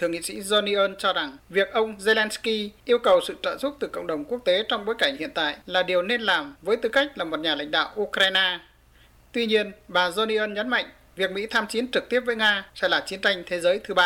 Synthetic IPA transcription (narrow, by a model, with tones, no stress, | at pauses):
t̪ʰɨ˨˧˩əŋḭ˧˨sḭ˧˥zo˧ni˧ʔəː˧nt͡ɕɔ˧za˨˩ŋvi˨˩ək̚ʔə˧wŋ͡mze˧lɛ˧nski˧ʔi˧əwkə˨˩wsɨ̰˧˨t͡ɕə̰ː˧˨nzʊ˦˥k͡p̚t̪ɨ˨˩kə̰˧˨wɗə˨˩wŋ͡mku˦˥ək̚t̪e˨˦t͡ɕɔ˧wŋ͡mɓoː˨˦jka˧˩jŋ̟hḭ˧˨ənt̪a̰ː˧˨jlaː˨˩ɗi˨˩əwne˧nlaː˨˩mvəː˨˦jt̪ɨ˨˩ka˦˥jk̟̚laː˨˩mo˨˩t̚ɲaː˨˩la̰˧˥jŋ̟ɗa̰ː˧˨wʔu˧kɾaː˧jnaː˧ | t̪wi˧ɲi˧ənɓaː˨˩zo˧ni˧ʔəː˧nɲə˨˦nma̰˧˨jŋ̟ | vi˨˩ək̚mḭ˧˥t̪ʰaː˧mt͡ɕi˨˦ənt͡ɕɨ˨˩k̚t̪i˦˥əp̚vəː˨˦jŋaː˧sɛ̰˧˥laː˨˩t͡ɕi˨˦ənt͡ɕa˧jŋ̟t̪ʰe˨˦zəː˨˦jt̪ʰɨ˨˦ɓaː˧˩